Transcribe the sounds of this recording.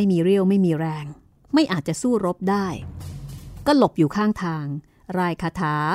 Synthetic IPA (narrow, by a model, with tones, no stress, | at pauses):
a˥˩jmiː˧ɾi˥˩əwma˥˩jmiː˧ɾɛː˧ŋ | ma˥˩jʔaː˨˩t̪̚t͡ɕa˨˩suː˥˩ɾo˦˥p̚daː˥˩j | kɔː˥˩lo˨˩p̚juː˨˩kʰaː˥˩ŋt̪ʰaː˧ŋ | ɾaː˧jkʰaː˧t̪ʰaː˩˦